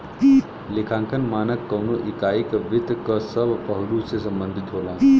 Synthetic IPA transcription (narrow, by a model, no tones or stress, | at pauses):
likʰãŋkʰənmaːnəkːəwnoʔikaikʋɪt̪kəsəbpəɦlusesəmbənd̪ʱit̪ɦoːlã